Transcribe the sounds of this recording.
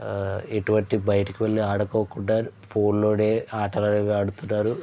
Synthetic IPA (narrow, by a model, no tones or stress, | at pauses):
eʈuʋɐɳʈibɐjɐʈɐkiʋɐlːiaːɽɐkoːkuɳɖaːɾpʰo̞ːnloːɽeːaːʈɐlɐneʋaːɽut̪unːaːɾu